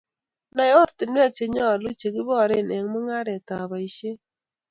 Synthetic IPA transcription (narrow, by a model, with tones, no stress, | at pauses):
na˨jɔ˦ɾtɪ˨nwa˦t͡ʃe˨ɲɔ˦˨lu˦t͡ʃe˨ɡɪ˦bɔ˦˨ɾɪ˦˨nɛ˨ŋmʊ˦ŋa˦ɾe˨ta˨βa˨i˨ʃe˦